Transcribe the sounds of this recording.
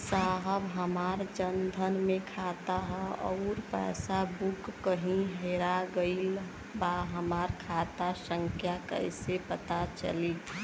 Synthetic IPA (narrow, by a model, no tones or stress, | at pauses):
saɦəbɦəmaːɾd͡ʒənd̪ʱənmẽkʰat̪aɦɛɔ̰ʊɾpɛ̰ːsabukːəɦĩɦeɾaɡəɪl | baɦəmaːɾkʰat̪asə̃ŋkʰjakə̰ɪsepət̪at͡ʃə̰lit̪